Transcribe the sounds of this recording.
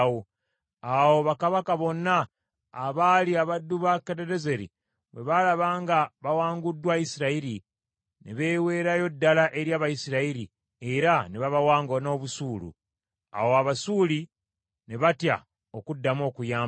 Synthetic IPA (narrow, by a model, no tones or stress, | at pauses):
wo | awoβakaβakaβo̞nːaː | βaliaβadːuβakeɾeɾe̞ze̞ɾḭ | βwe̞̰βalaβaːŋɡaβawaːŋɡudːwajisiɾaiɾi | ne̞βe̞ːwe̞ːɾajo̞dːalaʔe̞ɾjaːβajisiɾaiɾi | e̞ɾaneβaβawaːŋɡo̞no̞ːβusuːlṵ | a̰wo̞aβasuːli | ne̞βatja̰ | okudːamo̞ːkujaː